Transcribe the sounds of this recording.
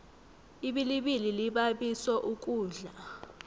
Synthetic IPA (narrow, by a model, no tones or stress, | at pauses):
iɓiliɓililiɓaɓisɔʔuk̬ʼuːɮa